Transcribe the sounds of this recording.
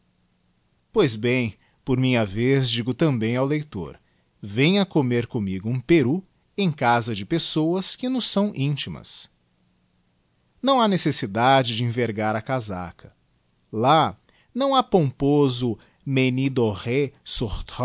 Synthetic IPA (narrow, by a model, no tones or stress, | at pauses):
pojzbẽj̃ | poɾmĩɲɐvezd͡ʒiɡʊt̪ɐ̃mbẽj̃awlejt̪o̰ɾ | vẽj̃ɐkomeɾkõmiɡʊũpeɾu | ẽj̃kazɐd͡ʒɪpesowɐskɪnʊsːɐ̃w̃ʔĩt͡ʃimɐ̰s | nɐ̃w̃anesesid̪ad͡ʒɪd͡ʒɪĩveɾɡaɾɐkaza̰kʰɐ̥ | la | nɐ̃w̃apõmpozʊ | menid̪oʁesoɾt̪